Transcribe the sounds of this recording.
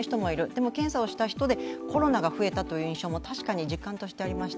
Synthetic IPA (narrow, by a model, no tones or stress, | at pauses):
çi̥t̪o̞mo̞iɾɯ̟d̪e̞mo̞kẽ̞sao̞ɕi̥t̪açi̥t̪o̞d̪e̞kʰo̞ɾo̞naɡaɸɯ̟e̞t̪at̪o̞jɯ̟ːĩɕo̞ːmo̞t̪aɕi̥kaɲ̟id͡ʑikːãnt̪o̞ɕi̥t̪e̞aɾʲimaɕi̥t̪